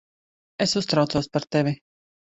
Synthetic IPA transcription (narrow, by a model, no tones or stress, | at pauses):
esust̪ɾawt̪suɔspaɾt̪ɛvʲi